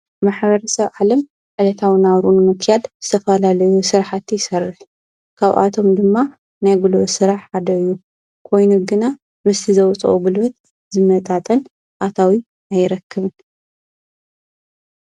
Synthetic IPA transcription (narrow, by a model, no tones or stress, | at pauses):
maħβɐɾɐsɐβʕalɐm | ʕɨlɐt̪ʰawinaβɾunumɨkʰjad̪zɨt̪ʰɐfɐlalɐjusɨɾħat̪ʰjɪsɐrːɨħ | kʰaβʔa̰t̪ʰo̞md̪ɨmːa | najɡulsɨɾaħad̪ɐɨjːu | kʰo̞jnuɡɨna | mɨst̪ʰizɐwt͡sʼʔubɨlwɐt̪̚ | zɨmɐt̪ʼat̪ʼɐn | ʔat̪ʰawi | ajɪɾɐkːɨβɨn